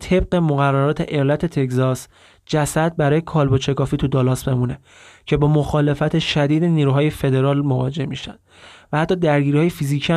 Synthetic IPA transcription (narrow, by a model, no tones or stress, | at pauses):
t̪ʰe̞b̚ɢe̞moɣærːæɾɒːt̪ʰe̞̰ʔelæt̪ʰe̞t̪ʰe̞kzɒs | d͡ʒæsæd̪̚bæɾɒːjekʰɒːlbot͡ʃʰe̞kɒːfiːt̪ʰud̪ɒːlɒːsbe̞mune̞ | cʰe̞bɒːmoxɒːle̞fæt̪ʰe̞ʃæd̪iːd̪eniːɾuɦɒːje̞fe̞d̪e̞ɾɒːlmo̞vɒ̰ːd͡ʒe̞hmiːʃæ̰nd̪̥væhæt̪ʰːɒːd̪æɾɟiːɾiɒːjefiziːcʰiæ